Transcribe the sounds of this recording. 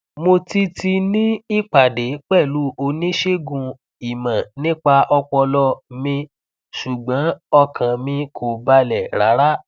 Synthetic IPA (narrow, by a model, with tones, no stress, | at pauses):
mo˧ti˧ti˧nĩ˦i˦k͡pa˨de˨˦k͡pɛ˦˨lu˨˦o˧nĩ˦ʃe˦ɡũ˧ | i˨mã˨nĩ˦k͡pa˧ʔɔ˧k͡pɔ˧lɔ˧˦mĩ˧ | ʃu˨ɡ͡bã˨˦ɔ˧kʰã˨mĩ˧kʰo˨ba˧lɛ˨ɾa̰˨˦ɾa˦